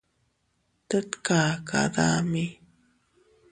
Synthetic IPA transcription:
t̪ət̪kaːka̰d̪ami

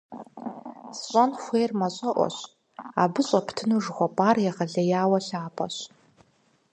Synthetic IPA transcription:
sɕʷʼɐnxʷeːrmɐɕʼɐʔʷɔ̰ɕ | aːbɨɕʼɐpʰtʰɨnuʐχʷɔpʼaːrjɛʁɐɮɐjaːwɐɬaːpʰʼɐɕ

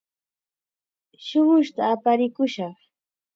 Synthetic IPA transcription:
ʃʊɢʊʃt̪aːpaɾɪkʊʃɑχ

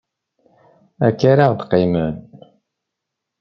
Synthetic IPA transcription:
ækːaɾaʁd̪qimən

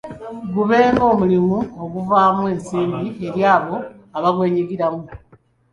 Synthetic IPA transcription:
ɡuβe̞ːŋɡo̞ːmulimuoɣuvaːmwe̞ːnsiːmbie̞ɾjaːβo̞ | aβaβwe̞ːɲiɡiɾamu

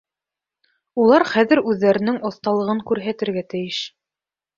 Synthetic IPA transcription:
ulˠɑɾχæðɘ̆ɾʉðːæɾɘ̆nɘŋʔŏθt̪ɑlˠɤ̆ʁɤŋkʉɾɦæt̪ɘ̆ɾɡæt̪ɘ̆jɘʃ

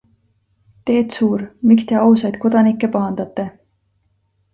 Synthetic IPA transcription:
t̪e̞ːt̪suːɾmikst̪e̞ɑwsɑjd̪̥̚ko̞d̪̥ɑnikːˑe̞pɑɦɑnd̪̥ɑt̪ːˑe̞

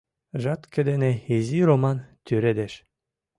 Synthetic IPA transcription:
ʒɑt̪kʰed̪eneezʲiɾomɑnt̪ʲʰyɾed̪eʃ

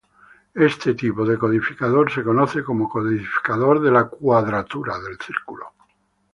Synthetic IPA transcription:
est̪et̪ipoðeko̞ð̞ifikaðoɾse̞konoθeko̞mokoðifi̥kaðoɾðelakwaðɾat̪uɾaðelθiɾkulo̰

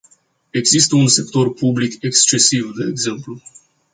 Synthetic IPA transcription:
e̞ɡzist̪əunse̞k̚t̪o̞rpublike̞kst͡ʃe̞sivd̪e̞ːɡze̞mplu

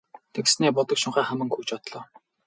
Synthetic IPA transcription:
t̪ʰeksneːpʊt̪ɞ̆kʃʊɴχæːχæmɘ̆ŋkxuːt͡ɕɔt̪ɮɔː

